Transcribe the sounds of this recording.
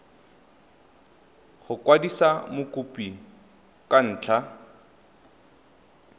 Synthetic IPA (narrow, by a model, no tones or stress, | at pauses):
χʊkwadisamʊkʼupi | kʼan̩ːt͡ɬʰa